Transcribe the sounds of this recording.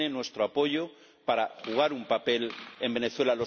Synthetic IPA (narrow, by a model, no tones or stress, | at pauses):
enwe̞st̪ɾoapo̞ʝo | paɾaxuɣ̞aɾumpape̞le̞mbe̞neθwe̞lalo̞